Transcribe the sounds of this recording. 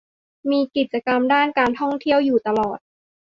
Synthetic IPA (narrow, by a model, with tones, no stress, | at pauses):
miː˧ki˨˩t̪̚t͡ɕa˧ka˧mdaː˥˩nkaː˧nt̪ʰɔ˥˩ŋt̪ʰi˥˩əwjuː˨˩t̪a˧lɔː˨˩t̪̚